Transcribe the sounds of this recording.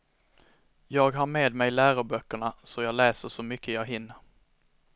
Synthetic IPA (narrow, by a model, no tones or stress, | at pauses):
jɑːɡɦaɾmeːd̪mɛjlæːɾʊbœkːəɳasɔjɑːɡlɛːsəʂɔmʏkʰːəjɑːɡɦɪnːəɾ